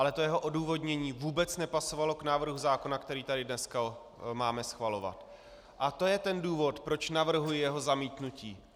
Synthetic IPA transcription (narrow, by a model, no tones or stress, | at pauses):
ʔalɛt̪o̞jɛɦo̞ʔo̞duːvo̞dɲɛɲiːvuːbɛt͡snɛpaso̞valo̞knaːvr̩ɦuzaːko̞nakt̪ɛɾiːt̪adɪdnɛska | maːmɛsxvalo̞va̰t̪ | ʔat̪o̞jɛt̪ɛnduːvo̞t̪pɾo̞t͡ʃnavr̩ɦujɪjɛɦo̞zamiːt̪nuciː